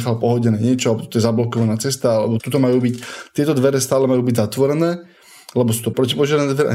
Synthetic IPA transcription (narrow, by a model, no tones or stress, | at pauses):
xalpɔɦɔɟɛnɛːɲɪɛt͡ʃɔalɛbɔt̪ɔ̥t̪ɔjɛzablɔkɔʋanaːt͡sɛst̪aalɛ̰bɔt̪ut̪ɔmajuːbict̪ɪɛt̪ɔd̪ʋɛɾɛst̪aːlɛmajuːbiɟzat̪ʋɔɾɛnɛː | lɛbɔsuːt̪ɔpɾɔcipɔʒɪɛɾnɛːd̪ʋɛɾɛʔa̰